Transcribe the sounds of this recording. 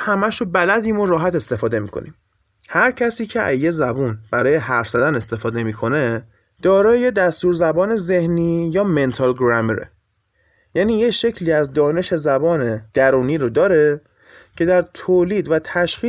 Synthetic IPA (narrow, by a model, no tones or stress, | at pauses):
hæmæʃobælæd̪iːmoɾɒːɦæt̪e̞st̪e̞fɒːd̪e̞miːkʰo̞̰niːm | hæɾcʰæsiːcʰe̞æ̰zje̞zæbuːnb̥æɾɒːje̞ɦæɾfz̥æd̪æne̞st̪e̞fɒːd̪e̞miːkʰo̞ne̞ | d̪̥ɒːɾɒːje̞d̪æst̪uːɾzæbɒːne̞ze̞hniːjɒːme̞nt̪ʰɒlɡɾæmeɾḛ | jæːniːje̞ʃe̞cʰliːæzd̪ɒːne̞ʃe̞zæbɒːned̪̥æɾuːniːɾod̪ɒːɾe̞ | cʰe̞d̪æɾt̪ʰoːliːd̪væt̪ʰæʃxiː